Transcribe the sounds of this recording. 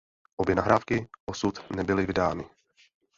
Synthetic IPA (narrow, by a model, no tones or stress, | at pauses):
ʔobjɛnaɦɾaːfkɪʔosut̪nɛbɪlɪvɪdaːnɪ